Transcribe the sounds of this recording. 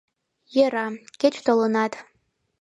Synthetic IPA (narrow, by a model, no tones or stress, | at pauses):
jeɾɑkʲet͡ɕt̪olənɑt̪